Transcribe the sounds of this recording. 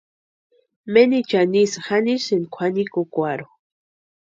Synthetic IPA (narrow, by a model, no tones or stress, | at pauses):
menit͡ʃanisxanisenkʷʰanikokʷaɾo